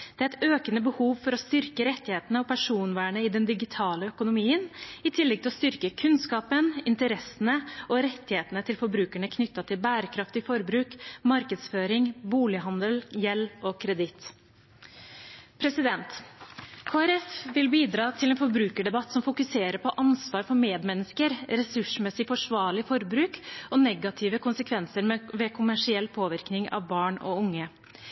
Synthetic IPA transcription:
d̪̥ɛæɾɛɪt̪øːkənəbəhuːʋfɔɾɔst̪ʏɾkəɾɛt̪ːɪheːt̪ənəɔpʰæʂuːnʋæːɳəɪd̪ɛnd̪ɪɡɪt̪ʰɑːləœkʊnʊmiːənɪt̪ʰɪlːɛɡ̚t̪ɪlɔst̪ʏɾkəkʰʉnskɑːpənɪnt̪əɾɛsənəʔɔɾɛt̪ːɪheːt̪ənət̪ʰɪlfɔɾbɾʉːkæɳəkʰnʏt̪ːɑt̪ʰɪlbæːɾəkʰɾɑft̪ɪfɔɾbɾʉːkmɑɾkəd̪sføːɾɪŋbuːlɪɦɑnd̪əljɛlːɔkʰɾɛd̪ɪt̪ | pʰɾɛsɪd̪ɛnt̪ | kʰoːæɾɛfʋɪlbiːd̪ɾɑːt̪ʰɪlɛːnfɔɾbɾʉːkəɖɛbɑt̪ːsɔmfʊkʉseːɾəɾpɔʔɑnsʋɑːɾfɔɾmeːd̪mɛnːəskəɾɾɛsʉʂmɛsɪfɔʂʋɑːɭɪfɔɾbɾʉːkɔnɛɡɑt̪ʰɪːʋəkʰʊnsəkʰʋɛnsəɾʋɛːkʰʊmæʂɪɛlːpʰoːʋɪɾknɪŋɑ̰ʋbɑːɳɔ̰ʊŋːə

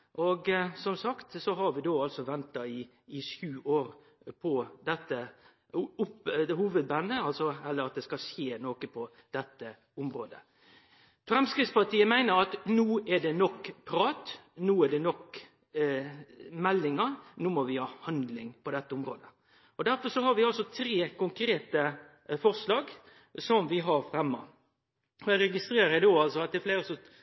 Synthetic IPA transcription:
ʔɔɡsɔmsɑkt̪sɔɦɑɾʋɪd̪oːɑlsɔʋɛnt̪ɑɪː | ʃjʉːʔoːɾ | pʰɔd̪ɛt̪ːə | ʊpd̪ɛhuːʋəd̪̚bɑnːəɑlsɔɛlːəɾɑt̪̚d̪ɛskɑsjeːnoːkəpʰɔ | d̪̥ɛt̪ːə | ʊmɾoːd̪ə | fɾɛmskɾɪtspɑʈ̪ʰiːəmæɪnəɾɑt̪nuːæɖɛnɔkːpʰɾɑːt̪nuːæɖɛnɔk | mɛlːɪŋəɾnuːmɔʋɪhɑːhɑnd̪lɪŋpɔd̪ɛt̪ːəʊmɾoːd̪ə | ɔd̪æɾfɔsɔhɑɾʋɪɑlsɔt̪ʰɾeːkʊŋkʰɾeːt̪ə | fɔɾʂlɑːɡ | sɔmʋɪɦɑɾfɾɛmːə̰ | ɔæɾɛɡɪst̪ɾeːɾəəd̪oːɑlsɔɑt̪̚d̪ɛæfleːɾəsɔ

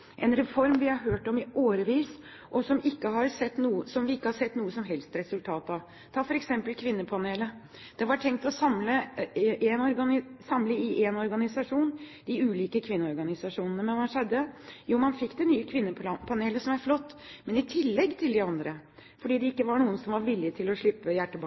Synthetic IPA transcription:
ʔɛnɾɛfɔɾmʋɪhɑɾɦøːʈɔmɪoːɾəʋiːs | ʔɔsɔmɪkːəɦɑɾsɛt̪ːnuːəsɔmʋɪɪkːəhɑʂɛt̪ːnuːəsɔmɦɛlst̪ɾɛsʉlt̪ʰɑːt̪ɑʋ | t̪ʰɑːfɔɾɛksɛmpəlkʰʋɪnːəpʰɑneːlə | d̪̥ɛʋɑʈʰɛŋkt̪ɔsɑmləʔɛnɔɾɡɑsɑmləɪʔɛnɔɾɡɑnɪsɑʂuːnd̪ɪʉːliːkəkʰʋɪnːəɔɾɡɑnɪsɑʂuːnənəmɛnʋɑʂɛd̪ːəjuːmɑnfɪkːd̪ɛnyːəkʰʋɪnːəpʰɑneːləsɔmæɾflɔt̪ːmɛnɪt̪ʰɪlːɛɡːt̪ʰɪld̪ɪɑnd̪ɾəfɔɖiːd̪ɛɪkːəʋɑɳuːənsɔmʋɑɾʋɪlːɪt̪ʰɪlɔʂɭɪpːəjæʈːəbɑ

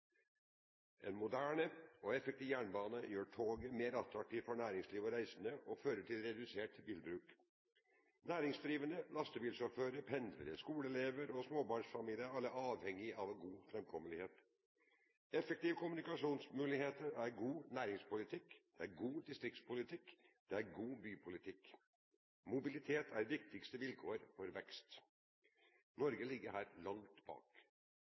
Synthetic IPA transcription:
ʔḛnmʊd̪æːɳəɔɛfɛkt̪iːʋjæːɳbɑːnəjøːʈʰoːɡəmeːɾɑt̪ɾɑk̚t̪ʰiːʋfɔɳæːɾɪŋsliːʋɔɾæɪsənəʔɔføːɾəʈʰɪlɾɛd̪ʉseːʈbiːlbɾʉːk | næːɾɪŋsd̪ɾiːʋənəlɑst̪əbiːlsɔføːɾəɾpʰɛnd̪ʋə̰ɾəskuːləɛleːʋəɾɔsmoːbɑɳʂfɑmiːlɪəɾɑlːəʔɑːʋhɛŋːɪɑʋɛɡuːfɾɛmkʰɔmənɪheːt̪ | ɛfək̚t̪ɪʋəkʊmʉnɪkɑʂuːnsmʉːlɪheːt̪əɾæɾɡuːnæːɾɪŋspʊlɪt̪ʰɪkːd̪̥ɛæɾɡuːd̪ɪst̪ɾɪk̚t̪spʰʊlɪt̪ʰɪkːd̪̥ɛæɾɡuːbyːpʰʊlɪt̪ʰɪkː | mʊbɪlɪt̪ʰeːt̪ʰæɾʋɪkt̪ɪkst̪əʋɪlkʰoːəɾfɔɾʋɛkst̪ | nɔɾɡəlɪɡːəɾɦæːɾlɑŋt̪bɑ̰ːk

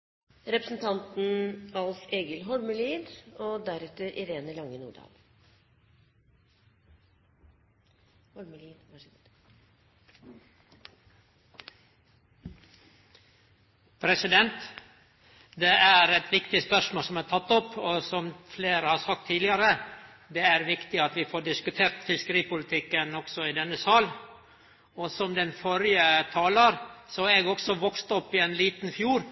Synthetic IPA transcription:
ɾɛpɾəsn̩t̪ʰɑnt̪n̩ɑlseːɡəlɦɔlməliːd̪od̪æɾɛt̪əɾʔɪɾeːnəlɑŋːənṵːɖɑ̰ːl | hɔlməlid̪ | pʰɾɛsɪd̪ɛnt̪ | d̪eʔæɾɛt̪ʋɪkt̪ɪspœʂmoːlsɔmæːt̪ʰɑt̪ːɔpoːsɔmfleːɾəhɑːɾsɑk̚t̪ʰːiːdlɪɑɾə | d̪eæɾʋɪkt̪ɪɑt̪ʋɪfoːɖɪskʉt̪ʰeːɾt̪fɪskəɾiːpʊlɪt̪ʰɪkːənɔksɔɪd̪ɛnːəsɑːl | oːsɔmd̪ɛnfɔɾɪət̪ʰɑːləɾsoeːɡɔksɔʋɔkst̪ɔpːɪeːnliːt̪nfjuːɾ

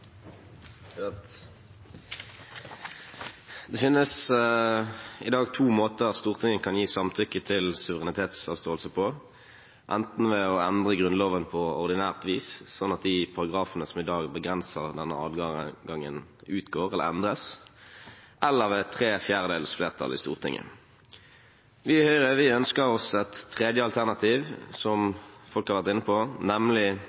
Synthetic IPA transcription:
t̪ | d̪ɛfɪnːəs | ɪd̪ɑːɡt̪ʰuːmoːt̪əʁst̪uːʁt̪ʰɪŋənkʰɑnjiːsɑmt̪ʰʏkːət̪ʰɪlsʉʋəʁɛnɪt̪ʰeːt̪sɑːʋst̪oːlsəpʰɔ | ʔɛnt̪n̩ʋɛɔɛnd̪ʁəɡʁʉnloːʋənpʰɔɔʁd̪ɪnæːʁt̪ʋiːssɔnːɑt̪̚d̪ɪpʰɑʁɑɡʁɑːfənəsɔmɪd̪ɑːɡbəɡʁɛnsəʁd̪ɛnːə̰ɑ̰ːd̪ɡɑɡɑŋːə̰nʉːt̪ɡoːʁɛlːə̰ʁɛ̰nd̪ʁəs | ʔɛlːəʁʋeːt̪ʰʁeːfjæːʁəd̪eːləsfleːʁt̪ʰɑ̰lɪ̰st̪ṵːʁt̪ʰɪ̰ŋʔə̰ | ʋɪhœʏʁəʋɪœnskəʁɔsɛt̪ʰːʁeːd̪jəɑlt̪ʰæʁnɑt̪ʰiːʋsɔmfɔlkhɑʁʋæʁt̪ɪnːəpʰɔnɛmlɪ

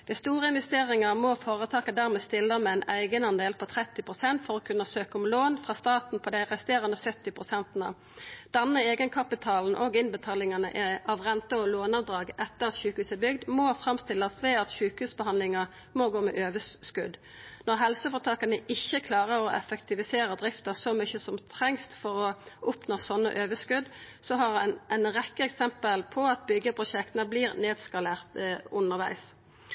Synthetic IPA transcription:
ʋɪst̪uːʁəɪnʋɛst̪eːʁɪŋɑʁmɔfoːʁət̪ʰɑːkəd̪æːʁmɛːst̪ɪlːəmɛæɪnæɪɡənɑnd̪eːlpʰɔt̪ʰʁɛt̪ːɪpʰʁʊsɛnt̪fɔʁɔːkʰʉnːəsøːkəʊmloːnfʁɑːst̪ɑːt̪n̩pʰɔd̪æɪʁɛst̪eːʁənəsœt̪ːɪpʰʁʊsɛnt̪nə̰ | d̪̥ɛnːəeːɡənkʰɑpɪt̪ʰɑːln̩ʔoɡɪnbət̪ʰɑːlɪŋɑnə̰ʔɛʔɑʋʁɛnt̪əɔloːnɑʋd̪ʁɑːɡɛt̪ːəʁɑt̪çʉːkʉːsəbʏɡd̪mɔfʁɑmst̪ɪlːəsʋɛːɑt̪çʉːkhʉːsbəhɑnlɪŋɑʁ | mɔɡoːmɛ̰ʔøːʋəsskʉd̪ | nɔʁɦɛlsəfɔt̪ʰɑːkɑnəʔɪçːəkʰlɑːʁəɾɔʔɛfəkt̪ɪʋɪseːɾəd̪ɾɪft̪əsɔmʏçəsɔmt̪ʰʁɛŋst̪fɔʁɔʊpnoːsɔnːə̰ʔøːʋəskʉd̪sɔɦɑʁɛnʁɛkːəɛksɛmpəlpʰɔɑt̪̚bʏɡːəpʰʁʊʃɛkt̪nəbliːɾneːd̪skɑleːʁt̪ʊnəʁʋæ̰ɪs

